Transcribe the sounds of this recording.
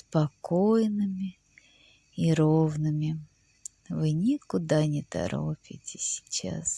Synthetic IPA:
spɐkojnɨmʲɪ | iɾovnɨmʲɪ | vɨnʲɪkʊd̪anʲɪt̪ɐ̰ɾo̰pʲɪ̰tʲɪsʲɪ̥t͡ɕa̰s

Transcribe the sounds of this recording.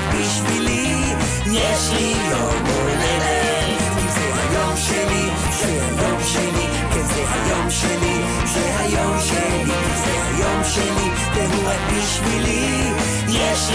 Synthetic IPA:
biʃvili | jɛʃli | jo | molele | zɛhajomʃeli | ʃɛhajomʃeli | kezɛhajomʃeli | ʃɛɦajomʃeli | zɛha̰jomʃeli | veɦuabiʃvili | jɛʃ

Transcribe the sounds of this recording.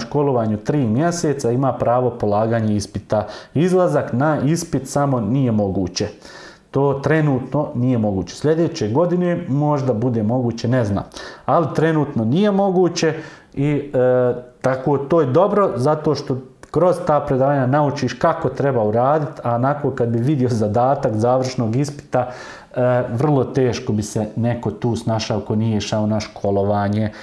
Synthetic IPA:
ʃko̞lˠoʋaːɲut̪ɾiːmjeseːt̪saimaːpɾaːʋo̞polˠaːɡaːɲeispit̪aizlˠazaknaispit̪samo̞nije̞mo̞ɡuːt͡ɕe | t̪oːt̪ɾe̞nuːt̪no̞nijemo̞ɡuːt͡ɕe̞slʲe̞d̪e̞t͡ɕe̞ɡo̞d̪ine̞mo̞ʒd̪abud̪e̞ːmo̞ɡuːt͡ɕenezna̰ːmalit̪ɾe̞nuːt̪nonije̞mo̞ɡuːt͡ɕe̞i | t̪akoːt̪oːjed̪o̞bɾo̞zat̪o̞ːʃt̪o̞kɾo̞zt̪aːpɾed̪aːaɲanaut͡ʃiːʃkakot̪ɾe̞bauɾaːd̪it̪aonakokad̪̚biʋid̪io̞zad̪aːt̪akzaːʋr̩ʃnoːɡispi̥t̪a | ʋr̩lˠo̞t̪e̞ːʃkobiseneko̞t̪uːsnaːʃaokoniːjeʃao̞naʃkʰo̞lo̞ʋaːɲe

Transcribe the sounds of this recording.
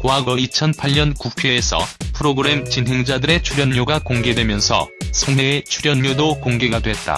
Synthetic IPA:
koɦaɡʌit͡ɕʰʌnpʰaʎɲʌnkukʰeːsʰʌ̰pʰɯɾoɡɯɾe̞mt͡ɕinɦe̞ŋd͡ʑadɯɾe̞t͡ɕʰuɾjʌɲɲoɡakoŋɡe̞dwe̞mjʌnsʰʌ̰sʰoŋɦeːt͡ɕʰuɾjʌnɲodokoŋɡe̞ɡadwe̞t̚t͈a̰

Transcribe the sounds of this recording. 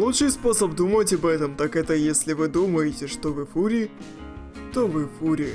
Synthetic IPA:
lˠutʂɨjspo̞səbd̪umətʲɐbɛt̪əmt̪akɛt̪əjesʲlʲɪvɨd̪uməjɪtʲɪʂt̪ovɨfuɾʲɪ | t̪ovɨfuɾʲɪ

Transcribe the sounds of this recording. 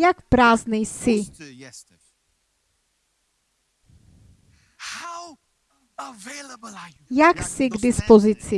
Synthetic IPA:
jakpɾaːznisɪ | h | jaksɪɡdɪspozɪt͡sɪ

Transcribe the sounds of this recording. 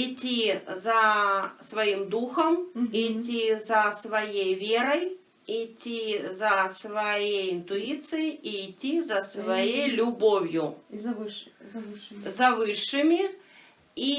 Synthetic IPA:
itʲːizɐsvɐjimd̪uxɐmitʲːizɐsvɐjejvʲeɾɐj | itʲːizɐsvɐjejint̪uit̪sɨjiiːtʲːizɐsvɐjejlʲʊbovʲjʊ | zɐvɨʂːɨmʲi | i

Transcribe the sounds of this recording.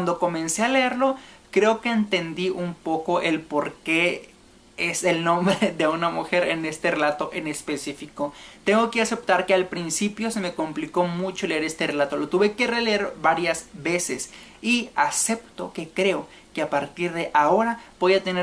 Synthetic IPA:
wand̪oko̞mẽ̞nse̞aleeɾlo̞kɾe̞oke̞ːnt̪e̞nd̪iʔumpo̞ko̞ʔelpo̞ɾke̞ | ese̞lnõ̞mbɾeðe̞unamuxe̞ɾene̞st̪ere̞lat̪o̞ʔe̞ne̞spe̞sifiko̞t̪e̞ŋɡo̞ke̞ase̞pt̪aɾkealpɾinsipjo̞se̞me̞kompliko̞mut͡ʃo̞le̞eɾe̞st̪e̞relat̪olo̞t̪uβe̞kereleeɾbaɾjazβe̞sḛsiase̞pt̪o̞ke̞kɾe̞o | ke̞apaɾt̪iɾðe̞ʔao̞ɾabo̞jat̪ene

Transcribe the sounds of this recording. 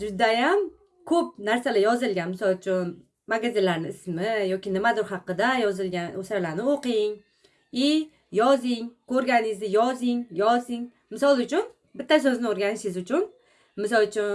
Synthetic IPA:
d͡ʒʊd̪ajam | kʰɵp̚naɾsalajɒzɪlɡʲanmɪsɒlˠt͡ʃʰʊn | maɡazɪnlaɾnɪɪsmɪjɒkʲɪnɪmad̪ʊɾhɑqːɨd̪ajɒzɪlɡʲanosaɾlaɾnɪoqɪŋ | ɪ | jɒzɪŋkʰɵɾɡʲanɪzɪjɒzɪŋjɒzɪŋ | mɪsɒlˠʊt͡ʃʰʊn | bɪt̪ʰːas̬ɵznɪoɾɡʲanɪʃɪzʊt͡ʃʰʊn | mɪsɒlˠt͡ʃʰʊ

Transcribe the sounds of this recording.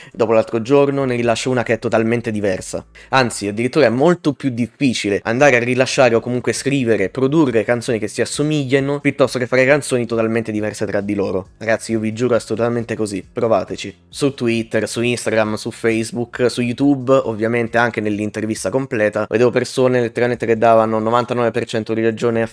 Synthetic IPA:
d̪ɔːpolalt̪ɾod͡ʒornoneɾilaʃːouːnakeɛt̪ːot̪alment̪ed̪ivɛrsa̰ant̪siad̪ːiɾit̪ːuːɾaɛmːolt̪opjud̪ifːiːt͡ʃileʔa̰nd̪aːɾearːilaʃːaːɾeokːomuŋkweskɾiːveɾepɾod̪urːekant̪soːnikesːiasːomiʎːanopjut̪ːɔst̪ok̟efːaːɾekant̪soːnit̪ot̪alment̪ed̪ivɛrset̪ɾad̪ːiloːɾoɾaɡat̪sːiiovid͡ʒuːɾoasːolut̪ament̪ekozipɾova̰ːt̪et͡ʃi | sut̪ːwit̪ːersuinst̪aɡɾamsufejzbuksujut̪ubo̰vːjament̪eaŋk̟enelːint̪ervist̪akomplɛːt̪aved̪eːvopersoːnelet̪ːeɾalment̪eked̪ːaːvanonovant̪anɔvepert͡ʃɛnt̪od̪iled͡ʒoːnea

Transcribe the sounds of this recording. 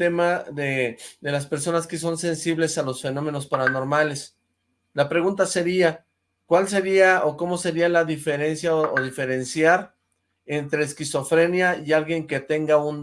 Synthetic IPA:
e̞maðeðe̞laspe̞ɾso̞naske̞s̬o̞nse̞nsiβle̞salo̞sfe̞nõ̞me̞no̞spaɾano̞ɾmales | lapɾe̞ɣunt̪ase̞ɾia | kwalse̞ɾiaoko̞mo̞se̞ɾialaðife̞ɾe̞nsjaooðife̞ɾe̞nsjaɾ | ent̪ɾe̞ːskiso̞fɾe̞njaialɣje̞ŋke̞t̪e̞ŋɡaun

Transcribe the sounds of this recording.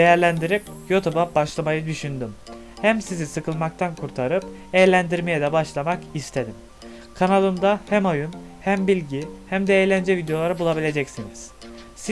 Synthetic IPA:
d̪ejæɾlʲænd̪iɾip̚jot̪ʰubabaʃlˠamajɯd̪yʃynd̪ym | hæmsizisɯkʰɯlˠmak̚t̪ʰankʰuɾt̪ʰaɾɯp̚ | ejlʲænd̪iɾmejɛd̪ɛbaʃlˠamakist̪ʰed̪im | kʰanalˠɯmd̪ahæmajunhæmbilʲɟihæmd̪ɛejlʲænd͡ʒɛvid̪eo̞lˠaɾɯbulˠabilʲe̞d͡ʒɛcsiniz̥ | s

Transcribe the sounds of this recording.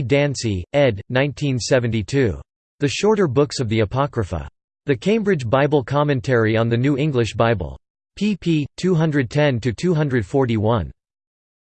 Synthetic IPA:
dæ̃nsiɛdⁿnãɪ̃ntʰĩnsɛvɨ̃n̩titʰʉ | ðɨʃɔɹɾə˞bʊksʌvðiɨpʰɑkɹɨfə̰ | ðɨkʰẽɪ̃mbɹɨd͡ʒbaɪbl̩ˠkʰɑmɨ̃ntʰɛɹiə̃nðɨnʉɪ̃ŋɡlɨʃb̥aɪbə̰l̩ˠ | pʰipʰitʰʉɦʌ̃ndɹɨd̚tʰɛ̃ntɨtʰʉɦʌ̃ndɹɨd̥fɔɹɾiwʌ̃n

